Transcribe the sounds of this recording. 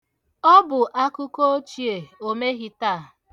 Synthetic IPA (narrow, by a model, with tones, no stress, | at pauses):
ɔ˦bʊ˨ʔa˦kʊ˦ko˦o˦t͡ʃi˨e˨o˨me˦ɣi˦ta˦˨